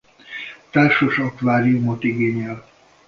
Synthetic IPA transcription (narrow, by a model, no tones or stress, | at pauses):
t̪aːrʃoʃɒkvaːɾiumot̪iɡeːɲɛl